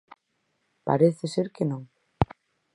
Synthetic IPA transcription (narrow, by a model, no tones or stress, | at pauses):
pa̰ɾeθeseɾkenõŋ